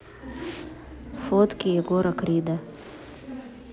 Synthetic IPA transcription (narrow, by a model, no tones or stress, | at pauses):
fot̪kijɛɡoːɾakɾid̪a